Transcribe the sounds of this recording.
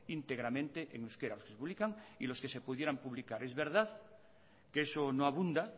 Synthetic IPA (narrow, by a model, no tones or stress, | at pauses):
int̪e̞ɣ̞ɾamẽnt̪eʔeŋuskeɾaloskesepuβlikaŋilo̞skese̞puðje̞ɾampuβlikaɾezβeɾð̞að | keesonoaβ̞und̪a